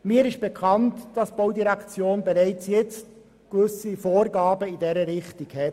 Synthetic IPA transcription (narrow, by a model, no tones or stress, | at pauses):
miːəɾɪʃb̥ekʰɑntd̥ɑsb̥oʊdiɾɛkt͡sjoːnbɛɾæɪt͡sjɛt͡st | kvʏsifoːɾɡɑːbəɪdɛɾəɾɪχtikhɛ